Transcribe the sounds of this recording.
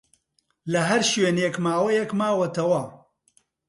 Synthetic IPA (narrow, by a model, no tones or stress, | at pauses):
lɐɦɐɾʃɥeːnekmaːwɐjɛkmaːwɐt̪ɐwɐ